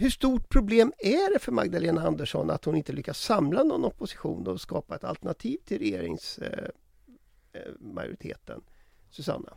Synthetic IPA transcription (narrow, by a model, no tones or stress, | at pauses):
hɵʂt̪uːʈ̚pʰɾʊbleːmæɖɛfœɾma̰ɡd̪aleːnaand̪əʂɔ̰na̰t̪hʊnɪnt̪əlʏkːasːamlanɔnːɔpːʊsɪ̥ɧṵːnd̪ɔɔskɑːpaɛt̪a̰lt̪əɳat̪ʰiːvt̪ʰɪlɾɛjeːɾɪ̰ŋs | ma̰jʊ̰ɾɪt̪ʰḛːt̪ən | sɵsa̰nːa̰